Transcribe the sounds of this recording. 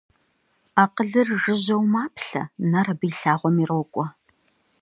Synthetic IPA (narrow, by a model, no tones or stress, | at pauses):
aːqəɮɨrʒɨʑɐwmaːpʰɬɐ̰nɐrɐbɨːɬaːʁʷɔmirowkʷʼɔ